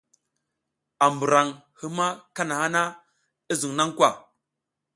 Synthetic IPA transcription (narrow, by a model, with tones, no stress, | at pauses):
a˨mbu˨ɾa˨ŋ | hi˦ma˦ka˦na˨ha˦na˦ | ə˦zu˨ŋ˨na˦ŋ˦kwa˦˨